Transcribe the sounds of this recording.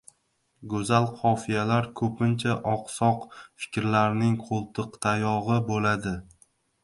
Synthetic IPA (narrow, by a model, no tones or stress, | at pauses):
ɡɵzalqʰɒfijalaɾkʰɵpʰɪnt͡ʃʰaʔɒqsɒqfɪ̥kʲɾlaɾnɪŋqʰolˠt̪ʰɨqt̪ʰajɒʁɨbolad̪ɪ